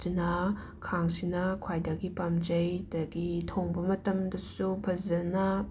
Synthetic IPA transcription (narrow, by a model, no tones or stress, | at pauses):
inɐ | kʰaŋsinɐkʰwajdɐɡipamd͡ʒɐjdɐɡitʰoŋbɐmɐtɐmdɐsupʰɐzɐnɐ